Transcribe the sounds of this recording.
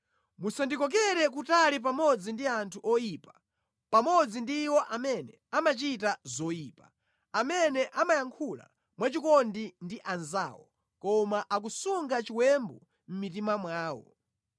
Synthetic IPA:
musandikɔk̬ɛɾɛk̬utalip̬amɔd͡zindiantʰuʔɔjiːpa | pamɔd͡zindiwɔʔamɛnɛ | amat͡ʃitazɔjiːpa | amɛnɛʔamajaŋkʰula̰ | mwat͡ʃikɔndindiʔanza̰ːwɔ̰ | kɔmaʔak̬usuŋɡat͡ʃiwɛmbu | m̩mitimamwaːwɔ̰

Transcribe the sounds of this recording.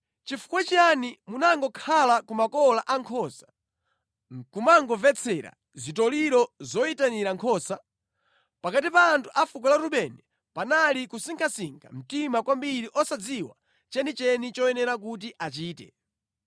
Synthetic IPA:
t͡ʃifu̥kwɛt͡ʃanimunaŋɡɔkʰalakumakɔlaʔaŋkʰɔsḁ | kumaŋɡɔvɛt͡sʰɛɾa̰ | zitɔliɾɔzɔitaniɾaŋkʰɔːsa | pakatipaːntʰuʔafuk̬ɔlaɾuɓɛnɛ | panalikusiŋkʰasiŋkʰa̰m̩timakwambiɾiʔɔsad͡ziwa̰ | t͡ʃɛnit͡ʃɛnit͡ʃɔɛnɛɾak̬ut̬iʔat͡ʃiːtɛ̰

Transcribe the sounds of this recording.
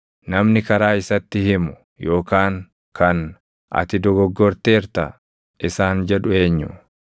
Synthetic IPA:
nɐmnɪkɐɾaːɪsɐt̪ːɪhɪmʊ̥ | jo̞ːkaːŋ | kʰɐn | ʔɐ̰t̪ɪd̪ɔɡɔɡːɔɾt̪eːɾt̪ɐ | ʔɪsaːnd͡ʒɛᶑʊe̞ːɲːʊ

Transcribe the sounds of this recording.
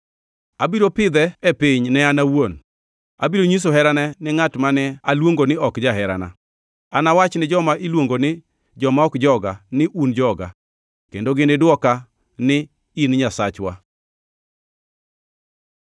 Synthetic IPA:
abiɾopɪd̪ɛɛpɪɲnɛanawon | abiɾoɲis̬oɦɛɾanɛnɪŋatmanɛalwoŋɡonɪɔkd͡ʒaɦɛɾa̰na̰ | anawat͡ʃnɪd͡ʒɔmaʔilwoŋɡonɪ | d͡ʒɔmaɔkd͡ʒɔɡanɪʔund͡ʒɔɡa̰ | kḛndoɡɪnɪdwɔka | nɪ | inɲasat͡ʃwa̰

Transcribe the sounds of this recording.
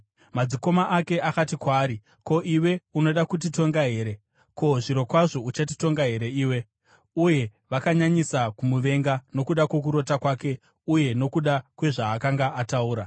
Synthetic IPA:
mad͡ziko̞maʔake̞ʔakatikwaːɾi | ko̞ʔiwe̞uno̞ɗakut̬ito̞ŋɡaɦe̞ːɾe̞ | ko̞ʐiɾo̞kwaʐo̞ut͡ʃatito̞ŋɡaɦe̞ɾe̞iːwe̞ | uje̞ | ʋakaɲaɲisakumuʋe̞ŋɡano̞kuɗakwok̬uɾo̞takwaːke̞ | uje̞no̞kuɗakwe̞ʐaːkaŋɡaʔːtauːɾa

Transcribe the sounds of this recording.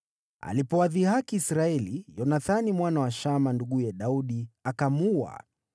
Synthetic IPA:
a̰lipɔwaðihakiːsɾaɛlijɔnaθanimwanawaʃamanduɠujɛɗauɗiakamua̰

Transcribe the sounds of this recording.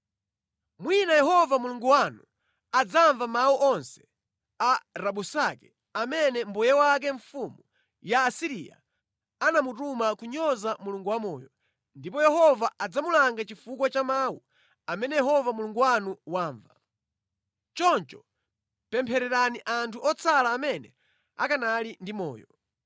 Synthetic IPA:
mwinajɛɦɔvamuluŋɡuwanu | ad͡zaɱvamawuʔɔnsɛ̥ | aɾaɓusakɛ | amɛnɛmbujɛwak̬ɛɱfumu | jaːsiɾḭja̰ | anamutumakuɲɔzamuluŋɡuwamɔːjɔ | ndip̬ɔjɛɦɔvaʔad͡zamulaŋɡat͡ʃifukwat͡ʃamaːwu | amɛnɛjɛhɔvamuluŋɡuwanuwaːɱva | t͡ʃɔnt͡ʃɔ | pɛmpʰɛɾɛɾaniʔantʰuʔɔt͡sʰalaːmɛnɛ̰ | a̰kanalindimɔ̰ːjɔ

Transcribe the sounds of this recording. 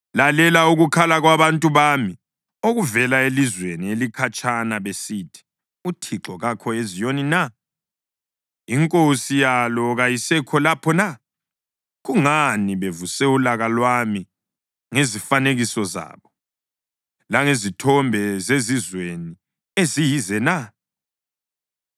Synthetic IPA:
lalɛlauɣukʰalaɣwaβantʼuβami | oɣuvɛlaelizwenielikʰat͡ʃʼanaβesitʰi̥ | utʰiǁɔɣakʰɔezijonina | iŋkʼosijalɔɣajisɛkʰɔlapʰɔna | ɣuŋaniβevusɛulaɣalwami | ŋezifaneɣisɔza̰ːβɔ | laŋezitʰɔmbʱɛzezizweni | ezijizɛna

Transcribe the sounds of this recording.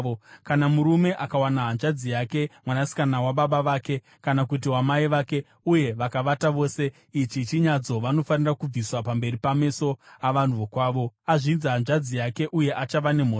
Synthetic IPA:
okanamuɾume̞ʔakawanaɦanʐad͡zijake̞mwanasi̥kanawaɓaɓaʋaːke̞ | kanakut̬iwamaiʋake̞ | uje̞ʋakaʋataʋo̞ːse̞ | it͡ʃit͡ʃiɲad͡zo̞ʋano̞fanirakub͡viswapambe̞ripame̞so̞aʋan̤uokwaːʋo̞aʐinzaɦanʐad͡zijake̞ʔuje̞ʔat͡ʃaʋane̞m̤o

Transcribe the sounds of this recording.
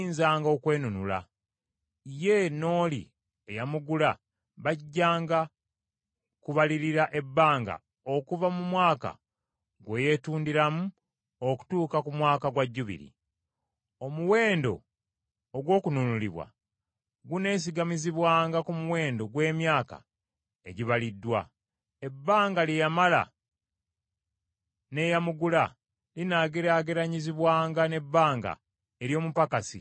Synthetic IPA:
inzaːŋɡo̞kwe̞ːnunula̰ | ije̞no̞ːlḭ | ejamuɡula | βaɟːaːŋɡa | kuβaliɾiɾaʔe̞bːaːŋɡa̰ | o̞kuvamumwaːka̰ | ɡweje̞tuːndiɾamu | oku̥tuːkakumwaːkaɡwaɟːuβḭɾḭ | o̞muwe̞ːndo̞̰ː | ɡwo̞ːkununulḭβwa̰ | ɡune̞ːs̬iɡamiziβwaːŋɡakumuwe̞ːndo̞ɡwe̞ːmjaːka̰ | eɟiβalidːwa | e̞bːaːŋɡaljejamala̰ | ne̞jamuɡula | linaɡeɾaɡeɾaɲiziβwaːŋɡane̞bːaːŋɡa̰ | eɾjo̞ːmupakasḭ

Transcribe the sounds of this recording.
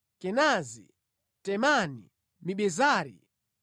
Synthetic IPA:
kɛnazḭ | tɛmanḭ | miɓɛzaːɾḭ

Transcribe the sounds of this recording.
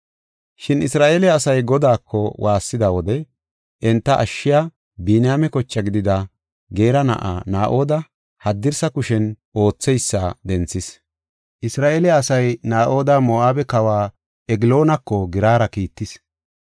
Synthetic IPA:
ʃɪnɪsɾaːʔeːlɪaːsɐjɡɔd̪aːkʰːɔwʔaːsːɪd̪awɔd̪ɛ | ʔɛnt̪ːɐʔɐʃːɪja | biːnɪjaːmɛkɔt͡ʃːɐɡɪd̪ɪd̪ɐ | ɡe̞ːɾɐnɐ̰ʔa̰ːnaːʔo̞ːd̪ɐ | hɐd̪ːɪɾsɐkʊʃɛn | o̞ːt͡sːɛjsːad̪ɛnt͡sːɪs | ʔɪsɾaːʔeːlɪaːsɐjnaːʔo̞ːd̪ɐmoʔaːbɛkɐwaː | ɛɡɪlo̞ːnɐkːɔɡɪɾaːɾɐkiːt̪ːɪs

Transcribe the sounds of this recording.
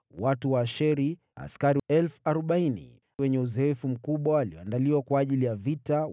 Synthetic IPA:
watuwaːʃɛɾi | a̰skaɾiɛlfuaɾɔɓainḭ | wɛɲɛuzɛɛfum̩kuɓwaːliɔandaliwakwaːʄilijavita

